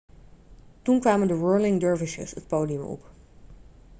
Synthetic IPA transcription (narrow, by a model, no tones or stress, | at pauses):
tunkʋaːməndəɹɜːɹlɪŋdɜɹvɪʃə̰sət̚powdijəmɔ̰p